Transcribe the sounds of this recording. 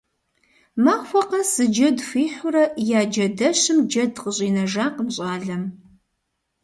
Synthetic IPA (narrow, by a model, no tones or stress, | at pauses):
maːxʷɔqɐsɨd͡ʒɐdfiːħʊɾɐjaːd͡ʒɐdɐɕɪmd͡ʒɐdqəɕʼiːnɐʒaːqəmɕʼaːɮɐm